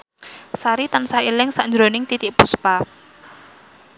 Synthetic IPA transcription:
saɾit̪ansailɪŋsaʔnd͡ʒɾonɪŋt̪it̪ɪʔpuspa

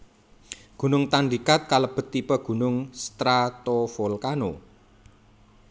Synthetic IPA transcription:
ɡ̥ṳnʊŋt̪anɖikat̪̚kaləb̥ə̤t̪ːipəɡ̥ṳnʊŋst̪ɾat̪ofolkano

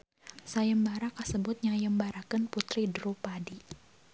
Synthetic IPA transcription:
sajəmbaɾakasəbʊt̪̚ɲaŋjəmbaɾakənput̪ɾidɾupadi

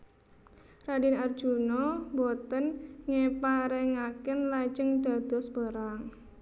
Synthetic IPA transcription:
radinar̥d͡ʒ̥unɔbɔt̪ənŋepaɾeŋakənlad͡ʒəŋd̪̥a̤d̪̥ɔsbəɾaŋ

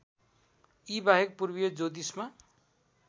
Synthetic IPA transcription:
ibaɦek̚purbijod͡zod̪isma

